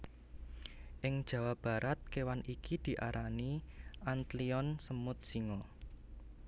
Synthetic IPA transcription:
ʔɪŋd̥ʒ̥ä̤wab̥a̤ɾʔat̪̚kewanikid̪̥i̤ʔaɾʔaniʔant̪liɔnsəmʊt̪̚siŋɔ

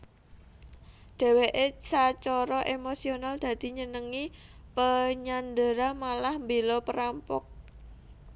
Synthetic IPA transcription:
ɖ̥ɛ̤weʔesat͡ʃɔɾɔʔemosionald̪̥ä̤d̪̥i̤ɲənəŋipəɲand̪əɾamalahmbelɔpəɾampʊk̚

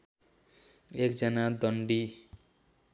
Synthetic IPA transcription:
ekd͡zʌnad̪ʌɳɖi

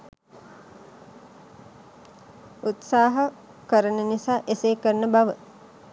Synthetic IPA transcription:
ut̪saːɦɐ | kəɾənənisaːʔeseːkəɾnəbaʋə

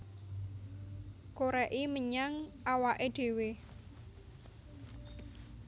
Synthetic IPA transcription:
koɾɛʔiməɲaŋawaʔeɖ̪̥e̤we

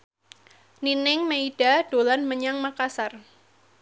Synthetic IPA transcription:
ninɪŋmeid̥ad̥olanməɲaŋmakasar

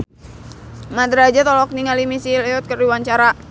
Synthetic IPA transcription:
mad̪ɾad͡ʒat̪ɔlɔk̚niŋalimisilɛɔt̪̚kərdiwaɲt͡ʃaɾa

